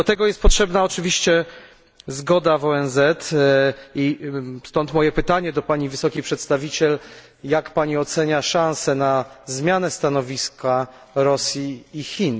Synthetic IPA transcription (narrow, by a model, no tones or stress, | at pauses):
d̪ɔt̪ɛɡɔjɛst̪̚pɔtʂɛbnaɔt͡ʂɘvʲiɕt͡ɕɛ | zɡɔd̪avɔɛnzɛt̪ | ist̪ɔnt̪mɔjɛpɘt̪aɲɛd̪ɔpaɲivɘsɔkʲejpʂɛt̪st̪avʲit͡ɕɛl | jakpaɲiɔt̪sɛɲaʂãnsɛnazmʲjanɛst̪anɔvʲiskʰa | ɾɔsʲjiːxʲin